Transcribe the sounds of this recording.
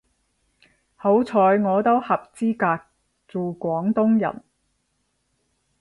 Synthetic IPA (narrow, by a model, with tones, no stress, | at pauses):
ho˨˥wt͡sʰɔː˨˧jŋɔː˨˧t̪o˥whɐ˨p̚t͡siː˥kaː˧k̚ | t͡suː˨˩kʷɔː˨˥ŋt̪ʊ˥ŋjɐ̰˨˩n